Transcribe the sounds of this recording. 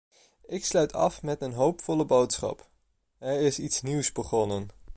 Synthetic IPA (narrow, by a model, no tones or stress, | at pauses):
ʔɪkslœɥtʰɑ̰fmɛtənɦowpfɔləbowtsχɑ̰p | ɛɹɪsitsniwsbəχɔnən